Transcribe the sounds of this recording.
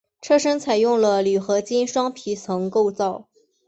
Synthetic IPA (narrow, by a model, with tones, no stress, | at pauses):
ʈ͡ʂʰɤ˥˩ʂə˥nt͡sʰa˨˩ɪjʊ˥˩ŋlə˩ly˨˩xɤ˧˥t͡ɕi˥nʂwɑ˥ŋpʰi˧˥t͡sʰɤ˧˥ŋko˥˧ʊt͡sɑ˥˩ʊ